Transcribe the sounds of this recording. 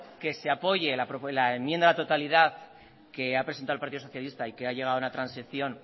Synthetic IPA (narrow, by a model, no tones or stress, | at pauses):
ke̞seapo̞ʝe̞lapɾolaemjend̪alat̪o̞t̪aliðaθ | ke̞apɾesent̪aðlpaɾt̪iðosθjalist̪aike̞aʝe̞ɣaðunat̪ɾansiθjo̞n